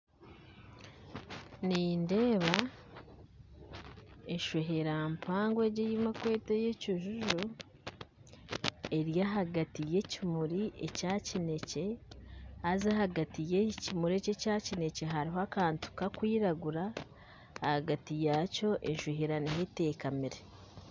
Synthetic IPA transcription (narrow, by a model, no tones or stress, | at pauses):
ninde̞ːβa | enʃoɦeɾampʰaːŋɡweɟejimakwe̞ːteje̞cuʒuʒu | e̞ɾjaɦaɡatije̞cimuɾiḛcacine̞ce̞ | azahaɡatijecimuɾece̞cacine̞ce̞ɦaɾiɦoakaːntu̥kakwiːɾaɡuɾaː | haɡatijaːco̞ʔenʃoheɾaniɦete̞ːkamiɾe